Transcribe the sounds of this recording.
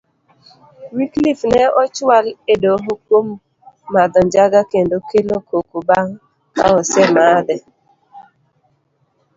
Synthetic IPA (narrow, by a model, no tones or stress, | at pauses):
wiklifneɔt͡ʃwaledoɦokom | madɔɲd͡ʒaɡakendokelokokubaŋ̩ | ka̰ɔsɛmadɪ